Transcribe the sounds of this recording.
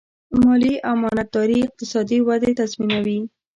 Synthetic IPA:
mɑliʔawmɑnat̪ːɑɾiɪq̚t̪ɪsɑd̪iwad̪et̪azminawi

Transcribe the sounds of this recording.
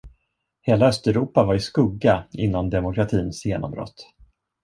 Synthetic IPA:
heːlaœst̪ɛɾuːpavaɾɪskɵɡːaɪnːand̪ɛmʊkɾat̪ʰiːnsjeːnɔ̰mbɾɔ̰t̪ː

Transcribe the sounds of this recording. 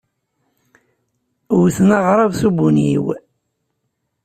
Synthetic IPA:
wθnaʁɾˤɑvsubunḭw

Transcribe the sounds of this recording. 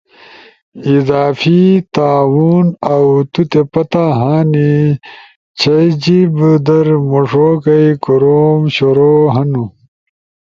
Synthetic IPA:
izaːfit̪aːwuːnɐwt̪ut̪epɐt̪aɦaːni | t͡ɕʰɐjd͡ʑibd̪ɐɾmoʂoːkɐjkoɾoːmɕoɾoːɦɐnu

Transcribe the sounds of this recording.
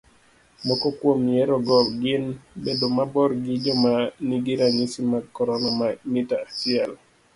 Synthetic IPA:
mɔkɔkwomjeɾɔɡɔɡɪnbedomabɔɾɡid͡ʒɔmaniɡiɾaɲisimakɔɾɔnɔmamitaasial

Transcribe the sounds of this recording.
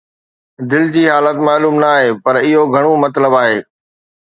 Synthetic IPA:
d̪ɪld͡ʑiːɦaːlət̪maːluːmnaːɦeːpɐɾɪɦoɡʱɐɽ̃omɐt̪ləbaːɦeː

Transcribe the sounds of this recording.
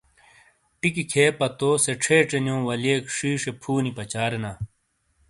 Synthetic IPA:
ʈikikʰeːpɐt̪oːseʈ͡ʂʰeːʈ͡ʂenjõːwɐleːkʂiːʂepʰuːnipɐt͡ɕaːɾenaː

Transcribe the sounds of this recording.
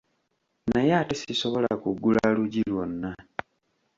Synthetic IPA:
najaːtesiso̞βo̞lakuɡːulaluɟilwonːa

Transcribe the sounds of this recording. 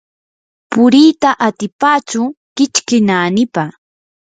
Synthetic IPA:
pʊɾiːt̪aʔat̪ɪpaːt͡ʃʊ | kɪt͡ʃkɪnaːnɪpa

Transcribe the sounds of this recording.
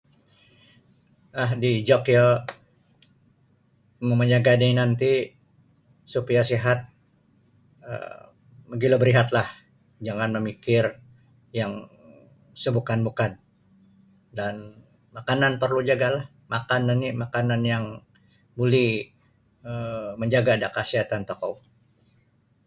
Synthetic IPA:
aɦdid͡ʒokjo | məməɲaɡaninant̪i | supiasiɦat̪̚ | ə̰ | məɡilobəɾiɦat̪lah | d͡ʒaŋanməmikɪr | jaŋ | səbukanbukan | dan | makananpərlud͡ʒaɡalah | makananimakananjaŋ | bulɛh | əməɲd͡ʒaɡaːdakasiɦat̪ant̪okow

